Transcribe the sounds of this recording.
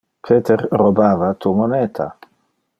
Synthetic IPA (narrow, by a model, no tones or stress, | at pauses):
pʰet̪ʰeɾrobaːvat̪umonɛːt̪ʰa̰